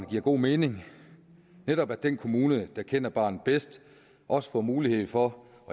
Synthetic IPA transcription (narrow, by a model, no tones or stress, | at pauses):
nɡ̥iɐ̰ɡ̥o̝̰ːme̝ːne̝ŋ | neɾɒ̽b̥æd̥enkʰo̝muːnəd̥ɑ̈kʰen̰ɐb̥ɑ̈ːnð̩ˠb̥esd̥ | ʔɒ̽sə̥fɒ̰ːmuːlihe̝ð̰ˠfɒ̽ | ʔɒ